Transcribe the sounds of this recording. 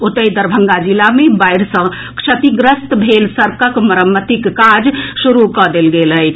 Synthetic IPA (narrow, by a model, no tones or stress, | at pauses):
ot̪əjd̪əɾbʱəŋɡad͡ʒilamebajɾsə̃ | kt͡ʃʰət̪iɡɾəst̪bʱelsəɾkəkməɾəmːət̪ikːad͡ʒsuɾukɔd̪elɡeləjt͡ʃʰ